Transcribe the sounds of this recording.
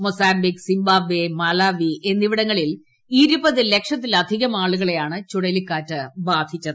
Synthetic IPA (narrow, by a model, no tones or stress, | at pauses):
mosaːmbiksimbaːbemɐlaːʋiʔenːiʋiɽɐŋːɐɭil | iːɾubɐðɨle̞kʂɐt̪ːilɐd̪ʱiɣɐmaːɭuɣɐɭe̞jaːɳɨt͡ɕuɽɐlikːaːtːɨbaːd̪ʱit͡ɕːɐðɨ